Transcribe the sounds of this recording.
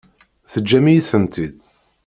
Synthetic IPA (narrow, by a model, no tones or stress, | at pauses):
θəd͡ʒːæmijθəmt̪ʰid̪̚